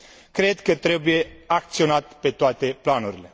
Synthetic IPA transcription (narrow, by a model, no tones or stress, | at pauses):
kɾed̪kət̪ɾebujeak̚t̪sio̞nat̪pe̞t̪oat̪e̞planuɾile̞